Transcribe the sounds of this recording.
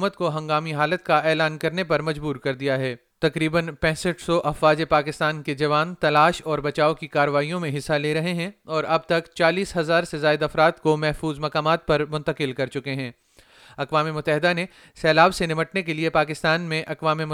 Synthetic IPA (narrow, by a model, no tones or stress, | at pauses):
mət̪koɦɐ̃ŋɡaːmiɦaːlət̪̚kaʔɛːlaːnkɐɾnepɐɾmɐd͡ʒbuːɾkɐɾd̪ijaɦɛː | t̪ɐkɾiːbənpɛ̃ːsəʈsɔʔɐfʋaːd͡ʒepaːkɪst̪aːnked͡ʒɐʋaːnt̪ɐlaːʃɔːɾbɐt͡ʃaːokikaːɾəʋaːijõmẽɦɪsːaleːɾɐɦeɦɛ̃ɔːɾɐb̚t̪ɐkt͡ʃaːliːsɦɐzaːɾsezaːɪd̪ɐfɾaːt̪komɛɦfuːzmɐkaːmaːt̪̚pɐɾmʊ̃nt̪əkɪlkɐɾt͡ʃʊkeɦɛ̃ː | ɐqʋaːmemʊt̪ːəɦɪd̪ane | sɛːlaːʋsenɪməʈnek̬eliepaːkɪst̪aːnmẽʔɐqʋaːmemʊ